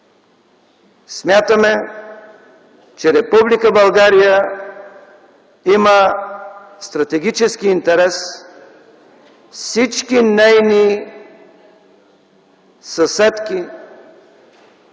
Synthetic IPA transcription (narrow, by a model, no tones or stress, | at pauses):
smʲjat̪əmɛ | t͡ʃɛɾɛpublikəbɐlˠɡaɾijə | imə | st̪ɾɐt̪ɛɡʲit͡ʃɛskiint̪ɛɾɛs | fsit͡ʃkinɛjni | sɐsɛt̪ki